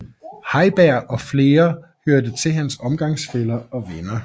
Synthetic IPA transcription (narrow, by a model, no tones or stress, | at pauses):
hɑ̈ɪb̥æɐ̰ʔɒ̽fle̝ːɐhøɐd̥ət͡sʰe̝lɦænsɒ̽mɡ̥ɑ̈ŋsfelɐɒ̽ʋenɐ